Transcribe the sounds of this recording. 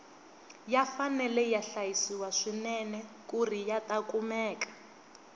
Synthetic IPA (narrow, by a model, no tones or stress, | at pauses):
jafanɛlɛjaɬajisiwaʂinɛnɛ | kurijatakumɛːkḁ